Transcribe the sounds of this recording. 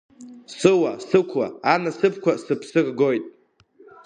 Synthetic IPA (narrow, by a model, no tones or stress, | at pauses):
sɨwasɨkʷʰa̰anasɨpʰkʷasɨpʰsɨrɡojtʼ